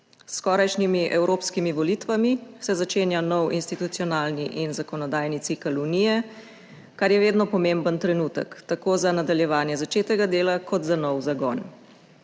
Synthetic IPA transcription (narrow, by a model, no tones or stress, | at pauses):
skɔɾajʃnimiʔɛwɾopskimiʋɔlit̪ʋamisɛzat͡ʃeːnjanɔwinst̪it̪ut̪siɔnaːlniʔinzakɔnɔd̪aːjnit̪sikəlunijɛ | kaɾjɛʋeːd̪nɔpɔmeːmbənt̪ɾɛnuːt̪ə̰kt̪akoːzanad̪aljɛʋaːnjɛzat͡ʃeːt̪ɛɡad̪eːlakʰɔd̪zanɔwzaɡɔn